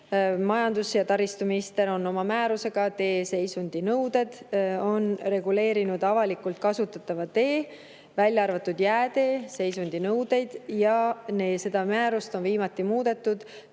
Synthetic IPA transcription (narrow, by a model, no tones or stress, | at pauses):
mɑjɑnd̪usjɑt̪ɑɾist̪uminist̪e̞ɾo̞nːo̞mɑmæːɾuse̞ɡ̥ɑt̪e̞ːse̞jsund̪̥inɤwd̪e̞d̪̥o̞nɾe̞ɡ̥ule̞ːɾinud̪ɑvɑlikult̪̚kɑsut̪ːˑɑt̪ːˑɑvɑt̪e̞ː | vælʲjɑɑrvɑt̪ːˑud̪̥jæːt̪e̞ːse̞jsund̪inɤwd̪e̞jd̪̥jɑneːse̞d̪ɑmæːɾust̪onviːmɑt̪ːˑimuːd̪̥e̞t̪ːˑud̪̥